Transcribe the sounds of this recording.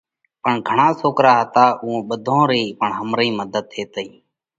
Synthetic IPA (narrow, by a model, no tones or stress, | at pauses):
pəɳɡʱəɳaːsoːkɾaːɦət̪aːuːõːɓəd̪ʱõːɾiːpəɳɦəmɾəĩːməd̪ʱəd̪̚tʰːeːt̪əĩː